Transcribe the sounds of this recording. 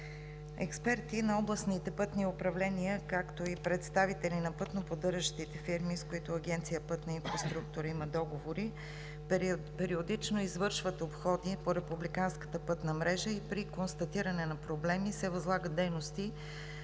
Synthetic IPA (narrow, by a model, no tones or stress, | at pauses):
ɛ̰kspɛɾt̪inɐɔblˠəsnit̪ɛpɤt̪niʊpɾɐvlɛniəkakt̪oipɾɛt̪st̪avit̪ɛlinɐpɤt̪nopod̪ɤɾʒəʃt̪it̪ɛfiɾmiskoit̪ʊɐɡɛnt̪sijəpɤt̪nəinfɾɐst̪ɾuk̚t̪ʊɾəiməd̪ɔɡovoɾi | pɛɾiod̪it͡ʃnoizvɤɾʃvət̪opxɔd̪ipoɾɛpublikanskə̥t̪əpɤt̪nəmɾɛʒəipɾikonst̪ɐt̪iɾənɛnɐpɾoblɛmisɛvɐzlˠaɡəd̪̚d̪ɛjnost̪i